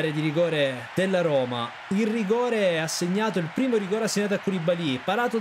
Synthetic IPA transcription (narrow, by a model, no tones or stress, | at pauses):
ɾed̪iɾiɡɔːɾed̪̥elːaɾɔːma̰ | ilriɡɔːɾeasːeɲːaːt̪oilpɾiːmoɾiɡɔːɾeasːeɲːat̪oakːulibalipaɾaːt̪o